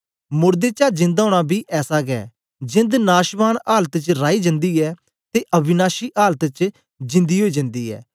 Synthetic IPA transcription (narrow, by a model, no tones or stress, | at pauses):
mʊɾd̪eːt͡ʃaːd͡ʒɪ̃nd̪aoːɽ̃aːbʱiːʔɛːsaːɡɛ̰ː | d͡ʒɪ̃nd̪naːʃʋaːnaːlət̪t͡ʃɾaːiːd͡ʒə̃nd̪iːɛː | t̪eːʔəbɪnaːʃiːʔaːlt̪t͡ʃ | d͡ʒɪ̃nd̪iːɦoːiːd͡ʒə̃nd̪iːɛ̰ː